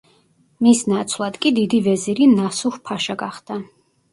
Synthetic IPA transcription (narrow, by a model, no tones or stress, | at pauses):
misnat̪sʰlˠad̪̥kʼid̪id̪ivɛziɾinasuχpʰaʃaɡaχd̪̥a